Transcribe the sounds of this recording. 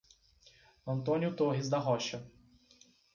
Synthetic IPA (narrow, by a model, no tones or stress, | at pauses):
ɐ̃nt̪õnjʊt̪oɦɪzd̪ɐɦɔʃɐ